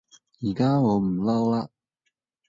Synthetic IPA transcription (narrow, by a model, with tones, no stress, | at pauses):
jiː˨˩kaː˥ŋɔː˨˧m̩˨˩lɐ˥wlaː˧